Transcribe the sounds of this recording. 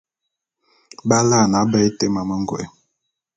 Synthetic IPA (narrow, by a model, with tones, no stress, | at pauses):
ba˦la˦˨na˨˦bɛ˦te˦ma˨mə˦ŋ˦ɡwɛ̰˨˦